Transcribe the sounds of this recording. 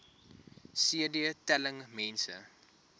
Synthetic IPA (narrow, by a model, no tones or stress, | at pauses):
siədiətɛləŋmɛnsə̰